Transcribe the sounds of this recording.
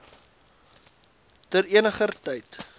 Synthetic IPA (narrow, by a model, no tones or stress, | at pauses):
təɾiənəχərtəjt